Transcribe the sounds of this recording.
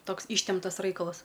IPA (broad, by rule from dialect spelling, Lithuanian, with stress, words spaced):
ˈtoːks ˈiːʃʲtʲɛmptɐs ˈrɐɪkɐlˠɐs